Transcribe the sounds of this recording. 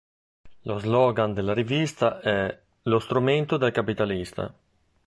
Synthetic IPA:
lozlɔɡand̪elːaɾivist̪aɛ | lost̪ɾument̪od̪elkapit̪alist̪a̰

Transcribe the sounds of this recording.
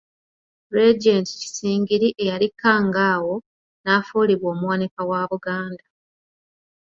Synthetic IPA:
ɾed͡ʒenti̥ci̥siːŋɡiɾiʔe̞jalikːaːŋɡaːwo̞ | naːfuːliβwo̞ːmuwanikawaːβuɡaːnda

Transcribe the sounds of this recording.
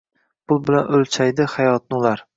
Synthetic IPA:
pʰʊlˠbɪlanɵlt͡ʃʰajd̪ɪhajɒt̪̚nʊlaɾ

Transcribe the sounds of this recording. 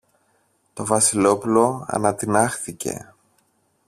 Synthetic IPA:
t̪o̞vɐsilo̞pulo̞ɐ̰nɐt̪inɐxθice̞̰

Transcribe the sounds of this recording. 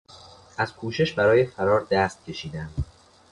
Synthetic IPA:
ʔæz̥kʰuːʃe̞ʃbæɾɒːjefæɾɒːɾd̪æst̪̚cʲʰe̞ʃiːd̪ænd̪

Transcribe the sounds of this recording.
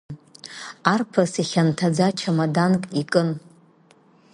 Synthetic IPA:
arpʰasiχʲantʰad͡zat͡ʃʰamadankʼikʼɨn

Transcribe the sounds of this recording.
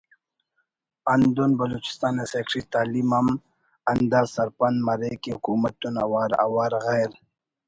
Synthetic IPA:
and̪unbɐlut͡ʃi̥st̪ɑːnesekʂit̪aːlimam | ɐnd̪aːsaɾpanmaɾekehʊkuːmat̪ːuna̰waːɾa̰waːɾɣajɾ

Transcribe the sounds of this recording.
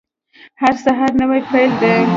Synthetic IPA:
haɾsaɦɑɾnəwajpajld̪ə

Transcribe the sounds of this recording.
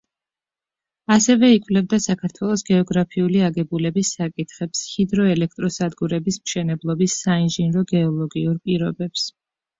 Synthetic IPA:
asɛvɛikʼvlɛbd̪asakʰaɾt̪ʰwɛlˠɔsɡɛɔɡɾapʰiuliaɡɛbulɛbisːakʼit̪ʰχɛpshid̪ɾɔɛlɛk̚ʰt̪ʼɾɔsad̪ɡuɾɛbismʃɛnɛblˠɔbisːainʒinɾɔɡɛɔlˠɔɡiuɾpʼiɾɔbɛps

